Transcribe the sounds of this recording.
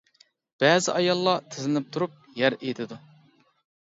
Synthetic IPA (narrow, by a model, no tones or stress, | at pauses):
b̥ɛːzɪ̰ʔɑjɑlˠːɑt̪ʰɪzɪnɪp̚t̪ʰuɾup̚jæɾejt̪ʰɪd̪u